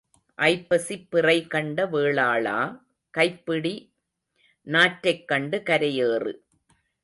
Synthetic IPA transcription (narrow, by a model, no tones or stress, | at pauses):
ʔɐɪpːɐsipːɪrɐɪkɐɳɖɐʋeːɭaːɭa̰ː | kɐɪpːɪɽi | naːʈɾɐɪkːɐɳɖɯkɐɾɐjeːrɯ̰